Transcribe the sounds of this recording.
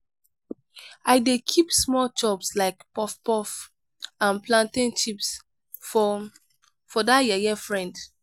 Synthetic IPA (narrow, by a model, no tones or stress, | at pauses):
aɪdekʰipsmɔlt͡ʃɔbslaɪkpɔfpɔf | ãnplãntĩnt͡ʃips | fɔdajɛjɛfɹɛ̃nd